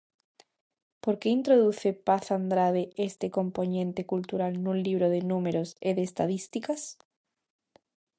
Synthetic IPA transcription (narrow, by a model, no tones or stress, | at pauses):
poɾkeint̪ɾoðuθepaθand̪ɾaðeʔest̪ekomponẽnt̪ekult̪uɾalnũnliβ̞ɾoð̞enumeɾoseðeːst̪aðist̪ikas